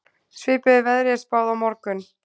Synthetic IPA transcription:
svɪːpɪðɪvɛðɾɪjɛspaːwðawmɔɾkʏn

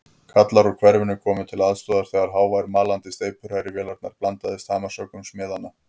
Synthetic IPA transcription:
kʰat̪laɾɔkʰv̥ɛɾvɪnʏkʰɔːmɪt̪ʰɪlaðst̪ɔːðaɾ̥θɛːɣaɾ̥ɦaːwvajɾmaːlant̪ɪst̪eːjpʰʏɾhajɾɪvjɛːlaɾt̪na̰ɾ̥plant̪aðɪst̪haːmasœːkʏmsmjɛːðanːa

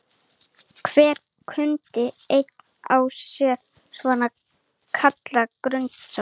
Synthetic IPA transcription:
kʰvɛːɾ̥ | kʰʏnt̪ɪejt̪nawsjɛɾ | svɔːna | kʰat̪lakɾʏnt̪sa

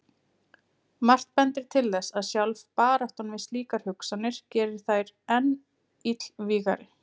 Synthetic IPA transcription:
mar̥t̪̚pɛnt̪ɪɾ̥t̪ʰɪlðɛsaðsjawlvpaːɾaht̪anvɪsliːkaɾ̥hʏksanːɪɾ̥cɛːɾɪɾ̥θajɾɛnː | it̪l̥viːɣa̰ɾɪ

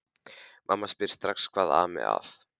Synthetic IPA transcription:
mʔamːaspɪɾ̥st̪ɾakskʰvaːðaːmɛ̰ða̰θ

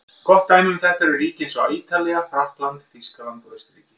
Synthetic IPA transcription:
kɔht̪ːaːjmʏmθɛht̪aɾʏɾiːcɪɪnsɔiːt̪alɛɣafɾahklant̪fiskalant̪vœst̪ɾiːcɪ̥

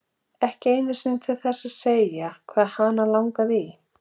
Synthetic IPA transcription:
ɛhcɪeːjnʏ̥sɪnt̪ʰɪlθɛsːaðseːjakʰvaːðhanalawŋkaði

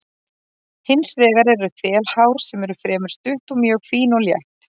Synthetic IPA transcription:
hɪnsvɛːɣaɾɛɾʏθɛːlhaːwɾ̥sɛmɛɾʏfɾɛːmʏ̥st̪ʏht̪ɔmjœːɣkʰviːnɔljɛ̰ht̪

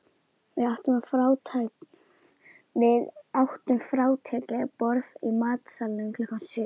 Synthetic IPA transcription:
vɪðawht̪ʏmafɾaːwt̪ʰaj | vɪðawht̪ʏmfɾaːwt̪ʰɛːcɛpɔɾðimaːt̪salːɪmkʰlkansɪ

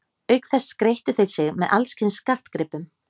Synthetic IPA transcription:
œɥkθɛsːkɾejht̪ʏθeɾsɪɣmɛðalscʰɪnskar̥t̪kɾɪpːʏm

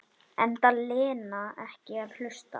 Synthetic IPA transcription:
ɛnt̪alɪːnaɛhcɪaðhl̥ʏst̪a̰

